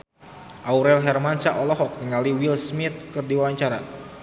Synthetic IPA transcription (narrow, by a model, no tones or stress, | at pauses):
ʔauɾɛlɦɛrmansaʔɔlɔɦɔk̚nəŋaliwilsmit̪̚kɨrdiwawaɲt͡ʃaɾa